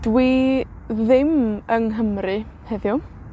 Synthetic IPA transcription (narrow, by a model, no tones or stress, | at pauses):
d̥wi | ðɪməŋɦəmrɨ | hɛðjʊ